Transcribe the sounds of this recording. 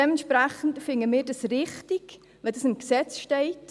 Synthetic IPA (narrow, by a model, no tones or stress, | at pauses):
ɛmɛntʃpɾæχən̩tfɪŋəmɪːɾdɑsrɪχtiɡ | ʋɛdɑsɪmksɛt͡sʃtɛɪt